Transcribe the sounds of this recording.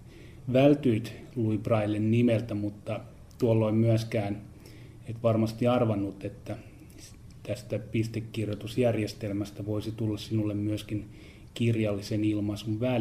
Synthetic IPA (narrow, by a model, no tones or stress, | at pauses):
ʋælt̪yːt̪luiprɑilːennimelt̪æmut̪ːɑ | t̪uolːoimyæskæːn | et̪ʋɑrmɑst̪iɑrʋɑnːut̪ːet̪ːæ | t̪æst̪æpist̪ekːirjot̪usjærjest̪elmæst̪æʋoisit̪ulːɑssinulːemmyøskin | kirjɑlːisenilmɑsuʋʋæ